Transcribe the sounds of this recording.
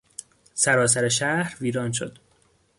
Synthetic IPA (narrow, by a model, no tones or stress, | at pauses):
sæɾɒːs̬æɾeʃæhɾviːɾɒːnʃo̰d̪̥